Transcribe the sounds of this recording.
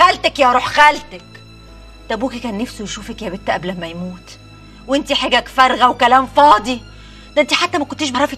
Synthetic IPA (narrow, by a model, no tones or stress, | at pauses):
ælt̪ækjæɾˤuːħxælt̪æk | t̪æbuːkikæːnːæfsojʃuːfækjæbet̪ːæʔæblæmæjmuːt̪ | wʔent̪iħeɡækfæɾˤɣæwkælæːmfɑːd̪i | d̪æʔent̪iħat̪ːæmækont̪ːiːʃbɑʕɾˤɑfi